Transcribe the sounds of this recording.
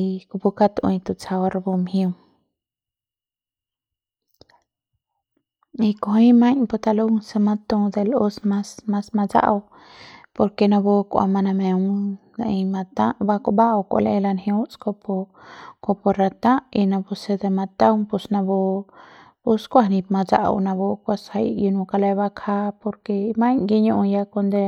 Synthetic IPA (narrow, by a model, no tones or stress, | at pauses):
kubukat̪ʔɔ̰̃j̃t̪ut͡ʃʰawaɾbɔmhium | ikɔɦĩmaɲpɔt̪aluŋsəmat̪ːɔd̪ɛlɔsmasmasmad͡ʒa̰ʔaw | pɔɾkɛnabɔkɔ̰ʔa̰manamɛuŋnaʔimat̪aʔbakɔʔbaʔawkɔ̰lɛʔɛlanhɛ̃uskɔpɔkɔpɔɾat̪ãʔinabɔsɛd̪ɛmat̪awŋpusnabɔ | puskwaɦnip̚mad͡ʒa̰ʔa̰wnabɔkwasajʔjunũkalaβakʰapɔɾkɛmaɲɡiɲɔʔɔ̃jakɔnd̪ɛ